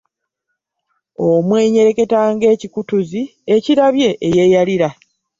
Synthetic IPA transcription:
omwe̞ːɲe̞ɾe̞ke̞taːŋɡe̞ːcikutuzieciɾaβje̞ʔeje̞jaliɾa

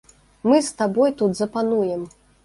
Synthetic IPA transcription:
mɨst̪abɔjt̪ud̪zɐpanujɛm

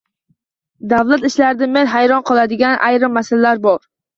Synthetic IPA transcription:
d̪avlˠat̪ɪʃlaɾɪd̪amenɦajɾɒnqʰɨlˠad̪ɪɡʲanʔa̰jɾɪmːasalalaɾbɒɾ

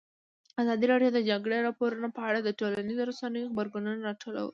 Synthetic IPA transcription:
azɑd̪iɾɑɖjod̪əd͡ʒaɡɽeɾɑpoɾunopəaɽad̪əʈolanizoɾasanəjoxbəɾɡununaɾɑʈola̰wə̰l

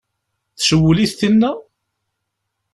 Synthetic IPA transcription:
θsəwːəliθθinːæ

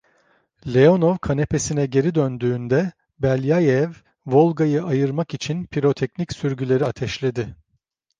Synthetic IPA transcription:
lʲeo̞novkʰane̞pʰe̞sinɛɟe̞ɾid̪ønd̪yːnd̪ɛ | bælʲjajɛv | vo̞lˠɡajɯʔajɯɾmakit͡ʃʰinpʰiɾo̞t̪ʰɛcnicsyɾɟylʲe̞ɾiat̪ʰɛʃlʲe̞d̪ɪ

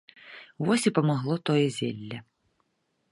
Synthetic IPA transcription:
ʋɔsʲipɔmɐɦlˠɔt̪ɔjɛzʲɛlʲːɐ

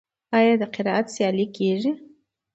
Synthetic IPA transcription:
ajadaqʰiɾaʔat͡sʰjaːlikʰʼeʒi

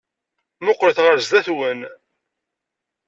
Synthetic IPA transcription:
mʊqːɾθʁəɾzd̪æθwən

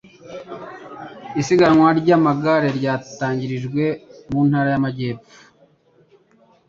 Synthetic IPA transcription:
isiɡanwaɾɟamaɡaɾe̞ɾɟaːtaːɲɟiɾiʒɡwe̞muːnhaːɾajamaɟe̞ːp͡fu̥

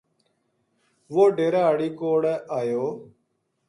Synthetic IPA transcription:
ʋoːɖeːɾaːəɽiːkoːɽeʔaːjoː

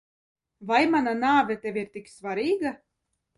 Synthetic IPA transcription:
vajmananaːvʲɛt̪ʲevʲiɾt̪iksvaɾiːɡa

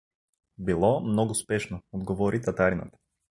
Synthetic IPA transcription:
bilˠɔmnɔɡʊspɛʃnood̪ɡovɔɾit̪ɐt̪aɾinɐ̰t̪

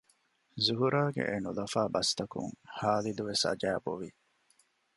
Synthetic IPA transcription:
zuɦuɾaːɡḛʔenulɐfaːbɐst̪ɐkṵŋhaːlid̪uʋesɐ̰d͡ʒæːboʋi

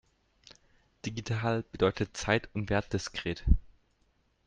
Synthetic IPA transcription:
d̥iɡitʰaːlb̥ədɔʏtʰətt͡saɪtʰʊntv̥eːɐt̚d̥ɪskʁ̥eːt

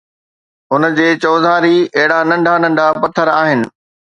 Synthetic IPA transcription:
ʊnd͡ʑeːt͡ɕɔːzaːɾiɐɦɪɽanɐ̃ɳɖʱanɐ̃ɳɖʱapɐt̪ʰəɾaːɦɪnɪ̆

